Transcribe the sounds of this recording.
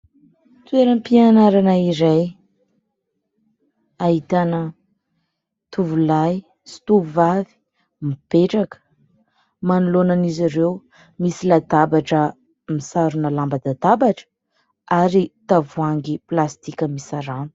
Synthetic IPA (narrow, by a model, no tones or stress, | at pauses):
t̪weɾənpianaɾanaiɾaj | ait̪anə | t̪uvulaj | st̪uvavi̥ | mib̥eʈ͡ʂakə̥ | manulonaniziɾew | misilad̪abaʈ͡ʂə | misaɾunəlambad̪ad̪abaʈ͡ʂə̥ | aɾit̪avuaŋɡiplast̪ikʲəmisaɾanu̥